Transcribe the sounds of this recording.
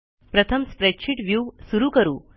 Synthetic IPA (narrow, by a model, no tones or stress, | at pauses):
pɾət̪ʰəmspɾɛʈɕʰiʈʋjuːsuɾukəɾṵː